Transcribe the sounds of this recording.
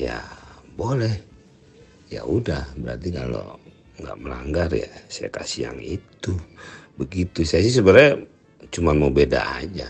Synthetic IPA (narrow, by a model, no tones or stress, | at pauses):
ja̰bolɛh | ja̰udahbəɾart̪ikalo̰ | ŋɡa̰ʔməlaŋɡarja̰saja̰kasia̰ŋit̪ubəɡit̪usajasis̬əbəɾaj | t͡ʃumanmobeda̰ʔad͡ʒa